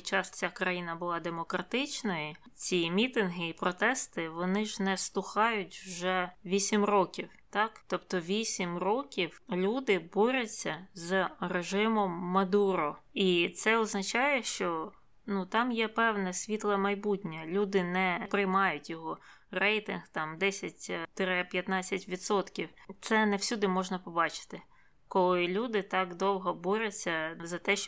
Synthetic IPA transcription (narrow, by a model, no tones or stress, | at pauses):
t͡ʃɑst͡sʲakɾɐjinɐbʊlˠɑd̪emɔkɾɐt̪ɪt͡ʃnɔji | t͡sʲimʲit̪ɪnɦɪipɾɔt̪ɛst̪ɪʋɔnɪʒnɛst̪ʊxɑjʊtʲwʒɛʋʲisʲimrɔkʲiwt̪ɑkt̪ɔpt̪ɔʋʲisʲimrɔkʲiwlʲud̪ɪbɔɾʲɐt͡sʲːɐzreʒɪmɔmːɐd̪uɾɔit̪sɛɔznɐt͡ʃɑjɛʃt͡ʃɔ | nut̪ɑmjɛpɛwnɛsʲʋʲit̪lˠɛmɐjbutʲnʲɐlʲud̪ɪnɛpɾɪjmɑjʊtʲjɔɦɔ | rɛjt̪ɪnht̪ɑmd̪ɛsʲɐtʲt̪ɪɾɪpʲjɐt̪nɑt͡sʲːɐtʲʋʲit̪sɔt̪kʲiwt̪sɛnɛwsʲud̪ɪmɔʒnɐpɔbɑt͡ʃɪ̥t̪ɪ | kɔlˠɪlʲud̪ɪt̪ɑkd̪ɔwɦɔbɔɾʲɛt͡sʲːɐzɐt̪ɛʃ